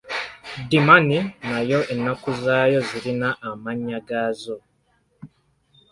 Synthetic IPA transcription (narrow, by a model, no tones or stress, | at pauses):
dimaninajo̞ʔenːakuzaːjo̞ziɾinaʔːmaɲːaɡaːzo̞